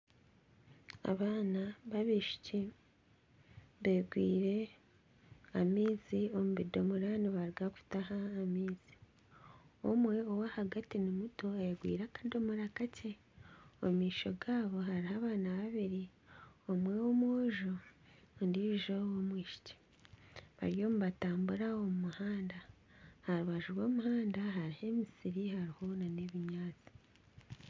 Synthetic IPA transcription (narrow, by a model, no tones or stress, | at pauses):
a̰βaːnaβaβiːʃi̥ci | βeːɡwḭːɾe̞ | amiːziomuβido̞muɾaniβaɾɡaku̥tahaːmiːz̥i̥ | o̰mwe̞owahaɡatinimuto̞ajeɡwḭːɾakḁdo̞muɾakace | omiːʃo̞ɡaːβo̞haɾihaβaːnaβaβiɾi | omwewomoʒo | ndiiʒowomwiːʃi̥ce̥ | βa̰ɾjo̞ːmuβataːmbuɾao̞mumuhaːnda | haɾuβaʒuɾwoːmuhaːndaɦaɾihe̞misiɾihaɾihonaneβiɲaːt͡si̥